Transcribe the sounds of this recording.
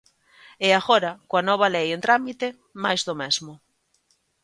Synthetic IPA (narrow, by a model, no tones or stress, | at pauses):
eaɣɔɾakoanɔβ̞alejẽnt̪ɾamit̪e | majzðomɛzmʊ